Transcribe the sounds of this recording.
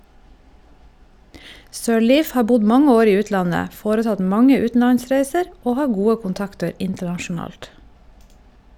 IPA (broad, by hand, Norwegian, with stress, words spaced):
sœˈɭiːf ˈhɑː ˈbʊɟ ˈmɑŋə ˈoːɾ ˈiː ˈʉːtlɑnə ˈfoːɾəˌtɑt ˈmɑŋə ˈʉːtn̩lɑnˌsɾæɪsəɾ ˈoː ˈhɑː ˈɡuːə kʊnˈtɑktəɾ ˈɪntəɳɑʃʊˌnɑːlt